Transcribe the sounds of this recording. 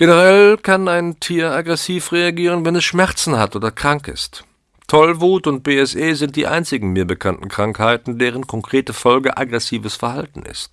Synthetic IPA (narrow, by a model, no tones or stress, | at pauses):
ɡ̥enəʁ̞ɛlkʰanaɪntʰiːɐaɡʁɛsiːfʁeaɡiːʁ̞ənvɛnɛsʃmɛɐt͡sn̩hatʔoːdɐkʁ̥aŋkɪ̰st | tʰɔlvuːtʊnt̚b̥eːɛsʔeːzɪnt̚d̥ḭːʔa̰ɪnt͡sɪɡŋ̩miːɐbəkʰantn̩kʁ̥aŋkhaɪtn̩deːʁ̞ənkʰɔŋkʁ̥eːtəfɔlɡəʔa̰ɡʁɛsiːvəsfɛɐhaltn̩ɪ̰st̚